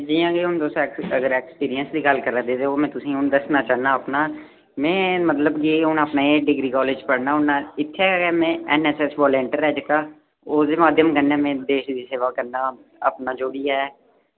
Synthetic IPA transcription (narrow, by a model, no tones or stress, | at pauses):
d͡ʒiːãːkeʊnd̪oːst̪ːkəɡəɾeːkspiːɾijənsd̪iːɡəlkəɾaːd̪eːd̪eːoːmɛ̃ːt̪ʊsĩːʊnd̪əsnaːt͡ʃaːɦnaːəpnaː | mɛ̃ːmət̪ləbkiːʊnəpnaːeːɖɪɡɾiːkɔːleːd͡ʒpəɽnaːʊnːãːɪt̪ʰːeɛːmẽːɛnɛːsɛːsʋɔːlẽːɳʈəɾɛːd͡ʒkaː | oːd̪eːmaːd̪ʱjəmkənːeːmẽːd̪eːʃd̪iːseːʋaːkəɾnaː | ə̰pnaːd͡ʒoːbiːɛː